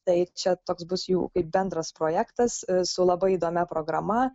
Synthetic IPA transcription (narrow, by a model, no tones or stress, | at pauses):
t̪ɐɪt͡ʃʲɛt̪oːksbʊsjṵːkɐɪp̚bʲɛnd̪ɾɐspɾoːjæːkt̪ɐssʊlˠɐbɐɪid̪oːmʲɛpɾoːɡɾɐmɐ